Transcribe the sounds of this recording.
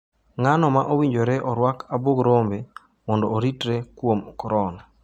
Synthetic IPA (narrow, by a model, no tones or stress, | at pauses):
ŋanɔmaʔowiɲd͡ʒoɾɛʔɔɾwakaboɡɾombe | mɔndɔːɾitɾekwomkɔɾɔna